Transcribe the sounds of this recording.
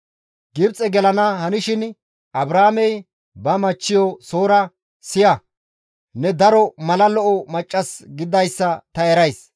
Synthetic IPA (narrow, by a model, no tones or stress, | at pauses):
ɡɪbt͡sʼːɛɡɛlɐnɐhɐnɪʃɪn | ʔɐbɾaːmɛj | bɐmɐt͡ʃːɪjɔso̞ːɾɐ | sɪjɐ | nɛd̪ɐɾɔmɐlɐlɔʔɔmɐt͡ʃʼːɐsɡɪd̪ɐjsːɐt̪ɐɛɾɐjs